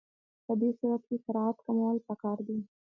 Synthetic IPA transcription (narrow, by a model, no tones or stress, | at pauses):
pəd̪esuwaxkekɪɾɑat̪kamawəlpəkɑɾd̪i